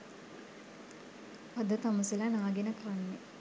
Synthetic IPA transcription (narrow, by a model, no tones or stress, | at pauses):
ad̪ət̪amuselanaːɡenəkranːe